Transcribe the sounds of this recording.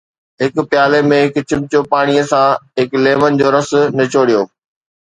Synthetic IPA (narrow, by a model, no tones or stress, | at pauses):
ɦɪkpjaːlemẽɦɪkt͡ɕɪmt͡ɕopaːɽ̃ijəsãɦɪkleːʋənɪd͡ʑoːɾɐsʊ̆nɐt͡ɕoːɽijoː